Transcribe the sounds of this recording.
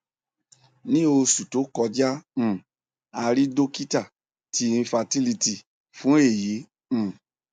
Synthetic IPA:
nĩ˦o˧su˨to˨˦kɔ˧d͡ʒã˦˨ | a˧ɾi˦do˦ki˦ta˦˨ | ti˨˧ĩ˧fa˧ti˦li˧ti˨ | fũ˨˦e˦˨jĩ˨˦˨

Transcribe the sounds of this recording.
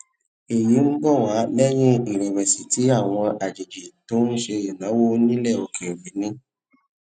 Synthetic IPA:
e˨ji˨˦n̩˦bɔ˦˨wa˨˦lɛ˦j̃ĩ˦i˨ɾi˨wɛ˨si˨ti˨˦a˦˨w̃ɔ̃˧ʔa˨d͡ʒi˨d͡ʒi˨to˦n̩˦ʃe˧e˨nã˨˦wo˦nĩ˦lɛ˦˨o˨kʰe˨wi˨˦nĩ˦

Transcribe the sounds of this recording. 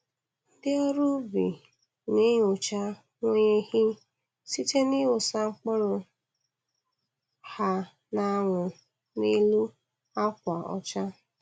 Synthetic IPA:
n̩˦dɪ˦ɔ˦ɾʊ˦bi˨ | nɪ˦ɲ˨ʊ˨t͡ʃa˦ | ŋʷe˦ɲe˦hɪ˦ | si˦te˦ni˦wʊ˨sa˦ŋ͡m̩˦k͡pɔ˦ɾʊ˨ | ha˦ | na˦ŋʷʊ˨ | ni˦lu˦ | a˦kʷa˨ɔ̰˦t͡ʃa˦

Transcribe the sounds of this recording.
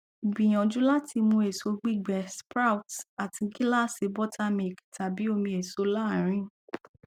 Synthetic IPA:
i˨bĩ˨j̃ɔ̃˨d͡ʒũ˨˦la˦ti˧mũ˧e˨so˨˧ɡ͡bi˦ɡ͡bɛ˨spɾa˦wta˨ti˧ɡi˦la˦˨se˨˧˦bɔ˦tʰa˦mi˨kta˨bi˨˦o˧mĩ˧e˨so˨˦la˦˨ɾ̃ĩ˦

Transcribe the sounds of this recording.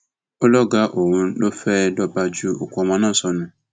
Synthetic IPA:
o˦lɔ˦ɡa˦ʔo˨wũ˨˦ɗo˦fɛ˦dɔ˦ba˦d͡ʒu˦o˨ku˦ɔ˨mã˦nã˦˨sɔ˨nũ˦

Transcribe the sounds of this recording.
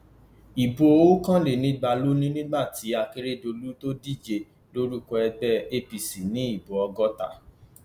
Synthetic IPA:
i˨bo˨˧o˦kã˦le˨nĩ˨˦ɡ͡ba˧lo˦nĩ˦nĩ˦ɡ͡ba˦˨tʰi˨˦a˧ki˧ɾe˦˨do˧lu˦to˦di˦˨d͡ʒe˧˨ | lo˦ɾu˦kɔ˧ɛ˧ɡ͡bɛ˦˨e˦pi˨si˨nĩ˨˦i˦˨bo˨ɔ˧ɡɔ˦ta̰˦˨

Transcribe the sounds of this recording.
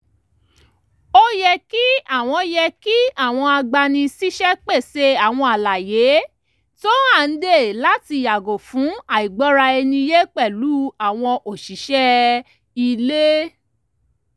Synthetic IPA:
o˦jɛ˧ki˦a˦˨w̃ɔ̃˧jɛ˧ki˦a˦˨w̃ɔ̃˧a˧ɡ͡ba˧nĩ˧si˦ʃɛ˦k͡pe˦˨se˦a˦˨w̃ɔ̃˧a˨la˨je˨˦ | to˦a˦˨n̩˦de˦˨la˦ti˧˨ja˨ɡo˨fũ˨˦a˨i˨ɡ͡bɔ˨˦ɾa˧ɛ˧nĩ˧je˦k͡pɛ˦˨lu˨˦a˦˨w̃ɔ̃˧ʔo˨ʃi˨˦ʃɛ˦ | i˧le˦

